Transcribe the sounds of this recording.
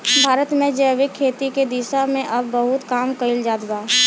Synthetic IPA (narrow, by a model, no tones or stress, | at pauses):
bʱaːɾət̪mẽd͡ʒəʋɪkʰːeːt̪iked̪iːʃamẽʔɐbːɐɦʊt̪kaːmkɐild͡ʒaːd̪baː